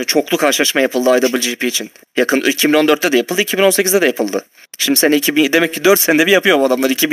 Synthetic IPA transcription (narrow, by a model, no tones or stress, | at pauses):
t͡ʃʰo̞klˠukʰaɾʃɯlˠaʃmajapʰɯlˠd̪ɯajd̪abɯlʲd͡ʒiipʰiːt͡ʃʰin | jakʰɯn̰icʰibino̞nd̪øɾt̪ːɛd̪ɛjapʰɯlˠd̪ɯicʰibino̞nse̞cʰizd̪ɛd̪ajapʰɯlˠd̪ɯ | ʃimd̪isenɛicʰibid̪e̞mɛcʰːid̪øɾt̪send̪ɛbijapɯjo̞buad̪amlˠaɾicʰibi